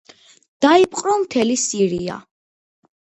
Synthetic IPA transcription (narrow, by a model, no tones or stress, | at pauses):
d̪̥aipʼqʼɾɔmt̪ʰɛlisiɾia̰